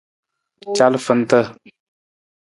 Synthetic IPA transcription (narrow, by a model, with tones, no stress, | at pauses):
t͡ʃa˦lfə˨n˦t̪ə˦